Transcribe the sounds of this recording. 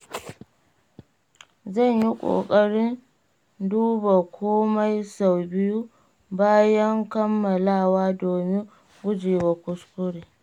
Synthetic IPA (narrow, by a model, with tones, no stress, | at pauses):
zɐ˦˨ɲji˦kʷʼo̰ː˨kʼɐ˦ɽɪ˦n | duː˦ba˨kʷʰoː˦ma˦jsa˨wbɪ˦ju˦ | baː˦jɐ˦ŋkɐ˦mːɐ˨laː˦˨waː˦doː˨mɪ˦ | ɡʷʊ˦d͡ʒeː˨wa˨kʷʊ˦skʷʊ˦ɽiː˨